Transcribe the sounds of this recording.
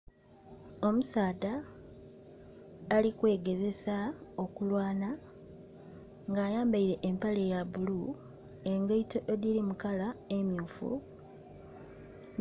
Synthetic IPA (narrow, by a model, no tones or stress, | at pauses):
o̞musaːda | likwe̞ːɡe̞ze̞sao̞kulwaːna | ŋɡaːjaːmbaiɾe̞ʔːmpale̞jaβulu | e̞ŋɡaito̞ʔeðiɾimukalaemjuːfṵ